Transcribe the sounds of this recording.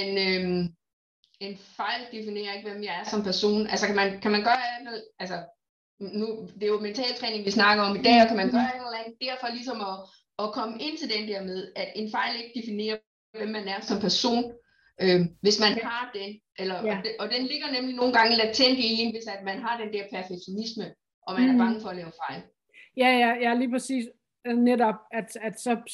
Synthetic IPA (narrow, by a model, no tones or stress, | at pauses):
enøm | e̝nfɑ̈ɪ̰ld̥efine̝̰ːɐe̝ɡ̥ʋem̰jɑ̈ɪæɐsɒ̽mpʰæɐso̝̰ːnælsɒkʰæmænkʰæmænɡ̥ɶɐælfeð̰ˠælsɐ | nud̥e̝joment͡sʰɛ̰ːlt͡sʰʁɛ̰ːne̝ŋʋisnɑ̈ɡ̥ɐɒ̽mid̥ɛ̰ːɒkʰæmænɡ̥ɶɐel̩ˠænð̩ˠd̥æɐfɒ̽lis̬ɒ̽mɒ̽ː | kʰɒ̽məʔe̝n̰t͡sʰe̝ld̥end̥ɛɐ̰með̞ˠæ̥e̝nfɑ̈ɪ̰le̝ɡ̥əd̥efine̝̰ːɐ | ʋemːænæɐsɒ̽mpʰæɐso̝̰ːn | ʔøʋe̝smænhɑ̈d̥e̝ʔelɐ̥ʔɒ̽d̥enle̝ɡ̥ɐnemlino̝ːn̩ɡ̥ɑ̈ŋəlæt͡sʰeŋɡ̥əienʋe̝sæd̥mænɦɑ̈d̥end̥ɛɐpʰæɐfeɡ̥ɕʰo̝nismə | ʔɒ̽mænæɐb̥ɑ̈ŋəfɒ̽ælɛːʊfɑ̈ɪ̰l | jæjæjæliːpʰʁɛsḭːs | nedɒ̽b̥̚æd̥æd̥sɒ̽